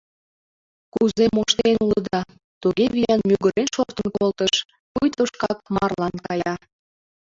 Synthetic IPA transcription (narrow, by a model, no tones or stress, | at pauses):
kuzemoʃt̪enuləd̪ɑ | t̪uɣeβijɑnmyɣəɾenʃort̪ənkolt̪əʃ | pujt̪oʃkɑk̚mɑrlɑnkɑjɑ